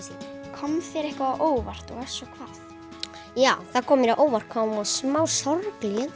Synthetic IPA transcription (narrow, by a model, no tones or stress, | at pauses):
kʰɔmθjɛɾɛhkvaːoːwvar̥t̪ɔɣḁsɔkʰvaːθ | jaːwθaðkʰɔːmɪɾaðʔoːwvar̥̚kʰɔmaðsmaːwsɔɾpljʏn